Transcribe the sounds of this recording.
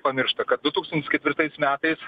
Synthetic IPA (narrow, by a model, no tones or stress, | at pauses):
pɐmʲɪɾʃt̪ɐkɐt̪̚d̪ʊt̪uːkst̪ɐnʲtʲɪskʲɛt̪ʋʲɪɾt̪ɐɪsmʲæːt̪ɐɪs